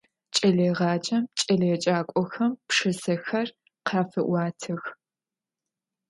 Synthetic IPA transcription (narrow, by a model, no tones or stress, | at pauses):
t͡ʃʼɐleːʁɑːt͡ʃʼɐmt͡ʃʼɐleːt͡ʃʼaːkʷʼɔxɐmpʂɨsɐxɐr | qʰɑːfɨʔʷɑːtʰɨx